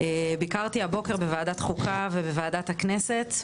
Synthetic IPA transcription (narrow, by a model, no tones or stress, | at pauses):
ebikaʁt̪iabo̞keʁbevaːdat̪χukʰavebevaːdathaknese̞t